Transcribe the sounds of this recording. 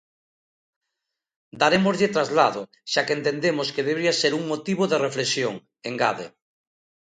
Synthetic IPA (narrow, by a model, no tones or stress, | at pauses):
d̪aɾemozʎet̪ɾazlaðo | ʃakent̪end̪emoskeðeβɾiaseɾuŋmot̪iβoðerefleksjoŋ | eŋɡaðḛ